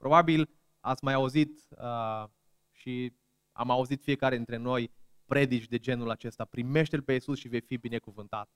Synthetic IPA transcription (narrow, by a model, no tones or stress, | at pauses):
pɾʔo̞babil | a̰t̪sʲmajauzit̪ə | ʃi | a̰mauzit̪fije̞kaɾed̪int̪ɾe̞no̞j | pɾe̞d̪it͡ʃʲd̪e̞d͡ʒe̞nulat͡ʃe̞st̪apɾime̞ʃt̪elpe̞isusʃivejfibine̞kuvɨnt̪at̪̚